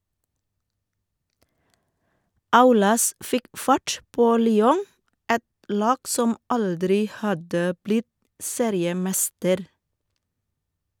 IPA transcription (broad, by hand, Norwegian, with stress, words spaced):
ˈɑʉlɑs ˈfɪk ˈfɑʈ ˈpoː ˈlyːɔŋ ˈɛt ˈlɑːɡ ˈsɔm ˈʔɑldɾɪ ˈhɑdə ˈblɪt ˈseːɾɪəˌmɛstəɾ